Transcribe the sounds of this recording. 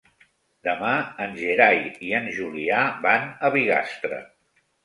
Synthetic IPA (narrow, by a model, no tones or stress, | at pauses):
d̪əmaənʲʒeɾajiənʒuliabanəβiɣa̰st̪ɾə̰